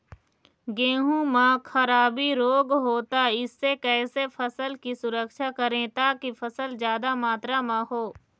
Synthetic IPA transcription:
ɡẽːɦũmãkʰɐɾaːbiɾoːɡɦoːt̪aɪsːekɛːsefʰəsəlkisʊɾəkʃakɐɾẽt̪aːkifəsəlzjaːd̪amaːt̪ɾamãɦoː

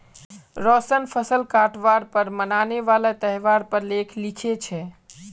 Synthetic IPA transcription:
ɾɔsənpʰəsəlkaʈʋaɾpəɾmənaneʋalet̪əɦʋaɾpəɾlekʰlikʰet͡ʃʰɛ

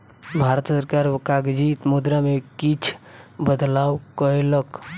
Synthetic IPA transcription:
bʱaɾət̪səɾkaɾkaɡd͡ʒit̪mud̪ɾamekit͡ʃʰbəd̪lawkəelək

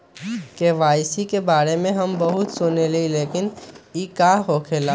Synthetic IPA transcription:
keːʋaːjsikebaːɾemẽɦɐmbəɦʊt̪sʊnelileːkɪnikaːɦokʰeːlaː

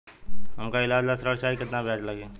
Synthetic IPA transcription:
ɦɐmkaɪlaːd͡ʒlasɾəɽʃaːikɪt̪nabʱiaːd͡ʒlɐɡeː

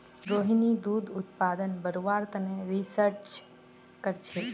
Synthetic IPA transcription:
ɾoɦinid̪ud̪ut̪pad̪ənbəɾoʋaɾt̪əneɾisəɾt͡ʃ | kəɾt͡ʃʰɛ

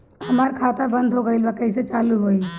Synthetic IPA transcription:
əmaɾkʰat̪abənd̪ʱɦoɡəjlbakəiset͡ʃaluɦoj

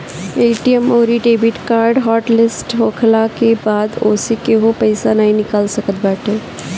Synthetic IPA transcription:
eːʈiəmoːɾiʈeːbɪʈkaːɾɖɦɔːʈlɪsʈɦoːkʰlakebaːd̪oːsekeɦopəɪsanaɦĩnɪkalsəkət̪̚bɛːʈʰe

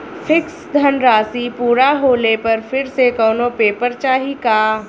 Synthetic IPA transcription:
pʰɪksd̪ʱɐnɾaːsipuːɾaɦoːlepɐɾfʰɪɾsekɔːnopeːpəɾt͡ʃaːɦikaː

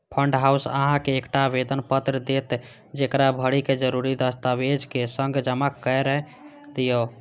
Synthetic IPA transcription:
pʰəɳɖɦausə̰ɦãkeːkʈabed̪ənpət̪ɾəd̪et̪ | d͡ʒekɾabʱəɽiked͡ʒəɾuɾid̪əst̪abed͡ʒkesəŋɡd͡ʒəmakːəjɾəɦ | d̪ijo

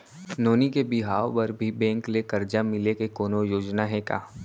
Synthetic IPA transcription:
noːnikebɪɦaːopɐɾbʱibɛ̃ːŋklekɐɾd͡ʒamɪlekekoːnojoːd͡ʒnaɦɛka̰ː

